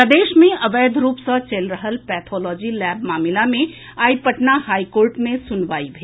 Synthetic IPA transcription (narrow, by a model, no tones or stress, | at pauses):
əd̪eːʃmẽɐʋeːd̪ʱɾuːpsət͡ʃelɾəɦəlpɛːt̪ʰɔːlɔːd͡ʒilɛːbmaːmɪlamẽ | aːipəʈnahaːikoːɾʈmẽsʊnʋaːibʱeː